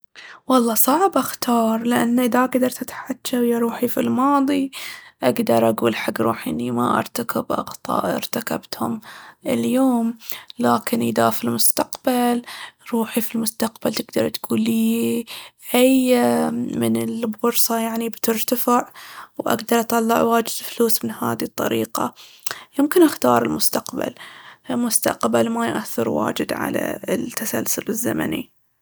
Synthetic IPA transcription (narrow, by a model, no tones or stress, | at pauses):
wɑlˤːɑːsˤɑʕbʔaxt̪ʰɑːɾˤlɪʔanːaʔɪðaʔaɡd̪ɑɾˤt̪ɪt̪ħad͡ʒʃaɪjːaɾˤuːħifilmɑːd̪ˤiʔaɡd̪ɑɾˤʔaɡuːlħaɡːɾˤṵːħʔɪnːima̰ʔɑ̰ɾˤt̪akɪbʔɑ̰qt̪ˤɑ̰ːʔʔɑ̰ɾt̪aka̰bt̪hʊmɪ̰ljoːmlaːkɪnʔɪðafilmʊst̪aqbalɾˤuːħifilmʊst̪aqbalt̪ɪɡd̪ɑɾˤt̪ɡ̥uːli | ʔaj | mɪnɪlbʊɾsˤɑjaʕnibt̪ɪɾt̪afɪʕwʔa̰ɡd̪ɑɾˤʔɑt̪ˤɑlːɪ̰ʕwaːd͡ʒɪd̪fluːsmɪnha̰ːðit̪ˤːɑ̰ɾiːqa | jɪmkɪnʔaxt̪ɑːɾˤɪlmʊst̪aqba̰lmʊst̪a̰qbalmajʔaθːɪɾwa̰ːd͡ʒɪd̪ʕa̰la̰t̪ːasalsʊlɪzːa̰ma̰nḭ